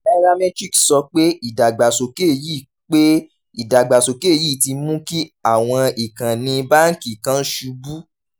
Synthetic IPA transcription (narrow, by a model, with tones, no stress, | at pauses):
ɛ˧ɾa˧mɛ̃˦d͡ʒi˦ksɔ˧˦k͡pe˦i˦˨da˨ɡ͡ba˨so˨ke˦˨ji˦˨ | k͡pe˦ | i˦˨da˨ɡ͡ba˨so˨ke˦˨ji˦˨ti˧˦mũ˦ki˦a˦˨w̃ɔ̃˧i˨kã˨nĩ˧ba˦n̩˦ki˦˨kã˦n̩˦ʃu˧bu˦